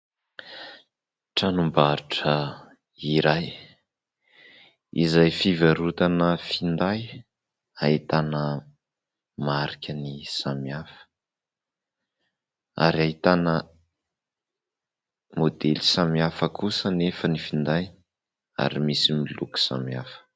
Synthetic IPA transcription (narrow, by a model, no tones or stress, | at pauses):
ʈ͡ʂanumbaɾiʈ͡ʂə | iɾaj | ḭzajfivaɾut̪anəfind̪aj | ait̪anə | maɾikʰʲənisamiafə̥ | a̰ɾiait̪anə | mod̪elisamiafəkusənefənifind̪aj̪ | a̰ɾimisimiluku̥sa̰miafə̥